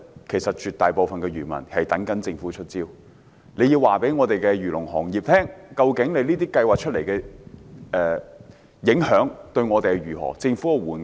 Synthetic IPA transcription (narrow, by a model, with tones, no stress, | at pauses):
kʰe˨˩jsɐ˨t̚t͡ʃyː˨t̪aː˨jpo˨wfɐ˨nkɛː˧ɥyː˨˩mɐ̰˨˩nhɐ˨jt̪ɐ˨˥ŋkɐ˨˥nt͡sɪ˧ŋfu˨˥t͡ʃʰɵ˥t̚t͡siː˥w | nle˨˧jiː˧waː˨˩pe˨˥jŋɔː˨˧t̪e˨jkɛ˧jyː˨˩lʊ˨˩ŋhɔ̰ː˨˩ŋjiː˨p̚t̪ʰɛː˥ŋkɐ˧wkɪ˨˥ŋne˨˧liː˥t̪iː˥kɐ˧jwaː˨k̚t͡ʃʰɵ˥t̚le˨˩jkɛ˧ | ɛː˨ | jɪ˨˥ŋhœː˨˥ŋt̪ɵ˧ɥŋɔː˨˧t̪e˨jkɛ˧ɥyː˨˩ɦɔ̰ː˨˩t͡sɪ˧ŋfu˨˥kɛ˧wuː˨˩n